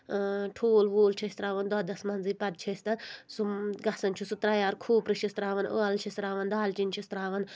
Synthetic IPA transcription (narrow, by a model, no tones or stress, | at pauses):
ʈʰoːlʋoːlt͡ʃʰɐsʲt̪ɾaːʋɐnd̪ɐd̪ɐsmɐnzipɐd̪̚t͡ʃʰɐsʲt̪ɐnsuɡɐsɐnt͡ʃʰusut̪ɾɐjaːɾkʰuːpɾɨʃist̪ɾaːʋɐnʔo̰ːɐlt͡ʃʰist̪ɾaːʋɐnd̪aːlt͡ʃint͡ʃʰist̪ɾaːʋɐn